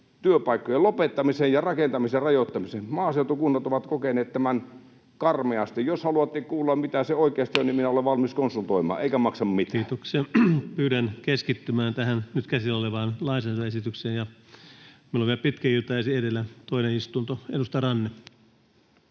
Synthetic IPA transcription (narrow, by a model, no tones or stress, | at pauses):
t̪yøpɑˑikːojelopet̪ːɑmisejjɑrɑkent̪ɑmiserɑjot̪ːɑmisenmɑːseut̪okunːɑt̪oʋɑt̪kokeneːt̪t̪æmæn | kɑrmeɑst̪ijjoshɑluɑt̪ːikkuːlːɑmmit̪æseoˑikeɑst̪ioniminæoleʋʋɑlmiskonsult̪oimɑ̰ːʔeikæmɑksɑmmit̪æːt̪oksepyːɾænkeskit̪ːymæːnt̪æhænnyt̪kæsioleʋɑːnlɑisɑt̪ɑesit̪ykseːjjɑ | milːoʋielpit̪kæit̪ːˑɑesiedelːæt̪oˑineist̪unt̪oedust̪ɑrɑnːe